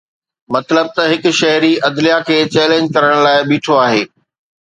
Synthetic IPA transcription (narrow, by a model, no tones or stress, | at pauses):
mɐt̪ləb̚t̪ɐɦɪkʊʃɐɦɾiɐd̪lijakʰeːt͡ɕɛːlẽːɲd͡ʑkɐɾəɽ̃laːɪɓiːʈʰoaːɦeː